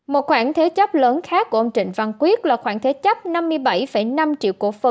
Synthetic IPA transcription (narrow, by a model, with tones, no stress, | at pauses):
mo˨˩t̚xwaː˧˩ŋt̪ʰe˨˦t͡ɕə˦˥p̚ləː˨˦nxaː˦˥kːu˧˩əʔə˧wŋ͡mt͡ɕï˧˨ŋ̟va˧˩ŋkwi˦˥ət̚laː˨˩xwaː˧˩ŋt̪ʰe˨˦t͡ɕə˦˥p̚na˧mːɨ˧əjɓa˧˩jfə˧˩jna˧mt͡ɕḭ˧˨wku˧˩əfə˨˩